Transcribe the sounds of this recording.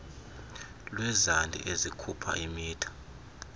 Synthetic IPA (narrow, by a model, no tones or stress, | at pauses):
lwɛzandʱḭʔezikʰupʰa̰ʔimiːtʰḁ